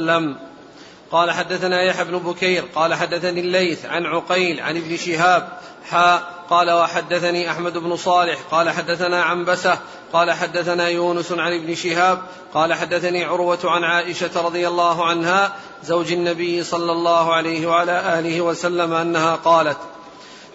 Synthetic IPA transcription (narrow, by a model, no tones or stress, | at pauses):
am | qɑːlaħad̪ːaθanaːjaħabnʊbʊkajɾqɑːlaħad̪ːaθaniːlːajθʕa̰nʕʊqajlʕa̰nɪbnɪʃɪɦaːb | ħaːqɑːlawaħad̪ːaθaniːʔaħmad̪ʊbnʊsˤɑːlɪħqɑːlaħad̪ːaθanaːʕambasa | qɑːlaħad̪ːaθanaːjuːnʊsʕanɪbnɪʃɪhaːb̚ | qɑːlaħad̪ːaθaniːʕʊɾwat̪ʕanʕaːʔɪʃaɾˤɑd̪ˤɨjalːɑːɦʊʕanhaː | zawd͡ʒanːabɪjːɪsˤɑlːɑlˤːɑːhʊʕalajhɪwaʕalaːʔaːlɪhɪwasalːamaʔanːahaːqɑːlat̪